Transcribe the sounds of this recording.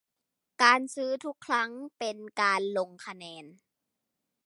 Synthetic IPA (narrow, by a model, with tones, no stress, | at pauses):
kaː˨˧nsɯː˦˥t̪ʰu˦˥kʰːɾa˦˥ŋpe˨nkaː˨nlo˧ŋkʰa˧nɛː˧n